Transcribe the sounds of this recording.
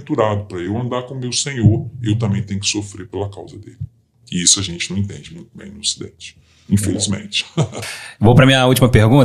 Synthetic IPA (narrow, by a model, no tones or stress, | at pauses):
t̪uɾad̪ʊpɾɐewɐ̃nd̪aɾkõmewsẽɲoɾewt̪ɐ̃mbẽj̃t̪ẽj̃ʊkɪ̥sofɾepelɐkawzɐd̪elɪ | ɪisʊɐʒẽnt͡ʃɪnɐ̃w̃ĩt̪ẽnd͡ʒɪmũj̃t̪ʊbẽj̃nʊosid̪ḛ̃t͡ʃɪ̥ | ĩfelizmḛ̃t͡ʃɪ̥ | vowpɾɐmĩɲɐut͡ʃimɐpehɡũnt